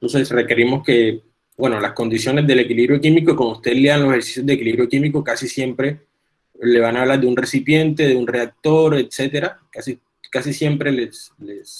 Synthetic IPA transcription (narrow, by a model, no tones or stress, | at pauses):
t̪o̞nse̞sre̞ke̞ɾimo̞ske̞ | bwe̞no̞lasko̞nd̪isjo̞ne̞zðe̞le̞kiliβɾjokimikoiko̞moust̪eleanloseheɾsi̥sjo̞zðekiliβɾjokimiko̞kasisje̞mpɾe̞ | le̞βanaːβlaɾd̪e̞unre̞sipje̞nt̪e̞ðe̞unre̞ak̚t̪o̞ɾe̞t̪se̞t̪e̞ɾakasi | kasisje̞mpɾe̞lesles